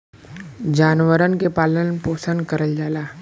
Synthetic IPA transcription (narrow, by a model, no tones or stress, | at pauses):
d͡ʒaːnʋəɾənkepaːlənpoːsənkɐɾəld͡ʒaːlaː